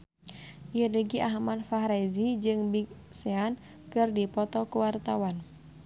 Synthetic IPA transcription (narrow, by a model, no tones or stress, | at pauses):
jəɾəɡiʔaɦmanfaɦɾazid͡ʒɨŋbik̚ | sɛan | kɨrdipɔt̪ɔkuwart̪awan